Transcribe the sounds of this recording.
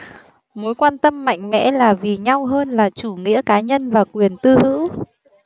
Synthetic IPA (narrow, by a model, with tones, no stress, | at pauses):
mo˨˦jkwaː˧nt̪ə˧mːa̰˧˨jŋ̟mɛ̰˧˥laː˨˩vi˨˩ɲa˧wɦəː˧nlaː˨˩t͡ɕu˧˩ŋḭ˧˥əkaː˨˦ɲə˧nvaː˨˩kwi˨˩ənt̪ɨ˧hɨ̰˧˥w